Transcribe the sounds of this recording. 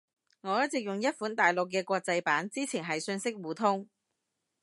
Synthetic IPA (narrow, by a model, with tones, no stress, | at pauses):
ŋɔː˨˧jɐ˥t̚t͡sɪ˨k̚jʊ˨ŋjɐ˥t̚fuː˨˥nt̪aː˨jlʊ˨k̬ːɛː˧kʷɔː˧k̚t͡sɐ˧jpaː˨˥nt͡siː˥t͡sʰiː˨˩nɦɐ˨jsɵ˧nsɪ˥k̚wuː˨˩t̪ʰʊ˥ŋ